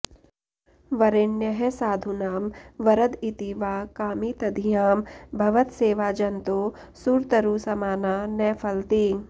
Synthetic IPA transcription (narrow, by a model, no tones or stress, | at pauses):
ʋɐɾenjɐɦɛsaːd̪ʱunaːmʋɐɾɐd̪it̪iːʋaːkaːmit̪ɐd̪ʱijaːmbʱɐʋət̪seːʋaːd͡ʒɐnt̪oː | suːɾt̪ɐɾusɐmaːnaːnɛːpʰɐlt̪iː